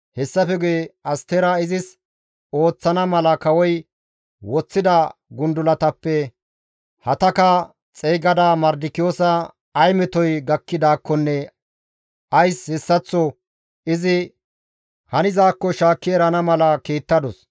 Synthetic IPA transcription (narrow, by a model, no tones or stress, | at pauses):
hɛsːɐfɛɡeːɐst̪eɾaːɪzɪs | o̞ːt͡sːɐnɐmɐlɐkɐwɔj | wɔt͡sːɪd̪ɐɡʊnd̪ʊlɐt̪ɐpːɛ | hɐt̪ɐkɐ | t͡sʼɛjɡɐd̪aːmɐɾd̪ɪkːɪjoːsɐː | jmɛt̪ɔjɡɐkːɪd̪aːkːɔnːɛ | ʔɐjshɛsːɐt͡sːɔ | ʔɪzɪ | hɐnɪzaːkːɔʃaːkːɪɛɾɐnɐmɐlɐkiːt̪ːɐd̪ɔs